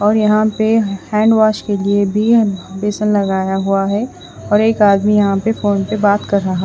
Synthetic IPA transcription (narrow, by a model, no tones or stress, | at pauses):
ɔːɾjɐɦãpehɛ̃ːɳɖʋaːʃkeliebʱibeːsə̃nlɐɡaːjaɦuaɦɛ | ɔːɾeːkaːd̪mijɐɦãpefoːnpebaːt̪kɐɾːɐɦa